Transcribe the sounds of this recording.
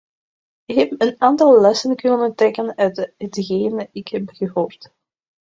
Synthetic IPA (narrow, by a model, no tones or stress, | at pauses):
ɪkɦɛpənaːntɑlˠːɛsənkʏnəntrɛkənœɥtɦətɣeːnəɪkhɛpɣəɦoːrt